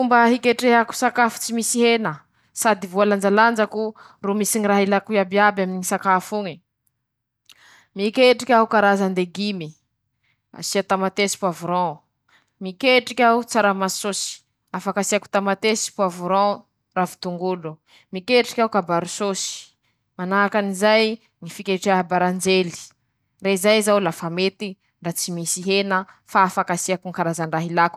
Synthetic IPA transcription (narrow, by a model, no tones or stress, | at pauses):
fumbəɦikeʈ͡ʂeɦaku̥sakafu̥t͡simisiɦenə | sad̪ivualand͡ʒaland͡ʒaku | rumisiniraɦilakuabiabaminiŋisakafuŋi | mikeʈ͡ʂikʲaukaɾazand̪eɡimi | a̰siat̪amat̪esi̥puavuɾɔ̃ | mikeʈ͡ʂikʲaut͡saɾamaisosi̥ | afakasiaku̥t̪amat̪esi̥puavuɾɔ̃ | ravit̪uŋɡulu | mikeʈ͡ʂi̥kʲawkabaɾusosi̥ | manaakanizaj | ŋifikʲeʈ͡ʂaabaɾand͡ʒeli̥ | reizajzawlafamet̪i | ɳɖ͡ʐat͡simisiɦenə | faːfakasiakuŋkaɾazaɳɖ͡ʐaɦilaku̥